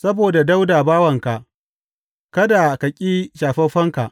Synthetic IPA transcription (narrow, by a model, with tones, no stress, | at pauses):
sɐ˦boː˨da˨da˦wdaː˨baː˦wɐ˨ŋka˨ʔ | kɐ˦da˨kɐ˨kʲʼiː˦ʃaː˨ɸɐ˦ɸɐ˦ŋka˨ʔ